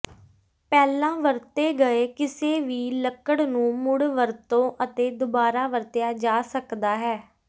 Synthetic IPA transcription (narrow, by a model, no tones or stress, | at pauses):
pɛːlãːʋəɾt̪eːɡəeːkɪseːʋiːləkəɽnũːmʊɽʋəɾt̪õːʔət̪eːd̪ʊbaːɾaːʋəɾt̪ɪjaːd͡ʒaːsəkd̪aːɦɛː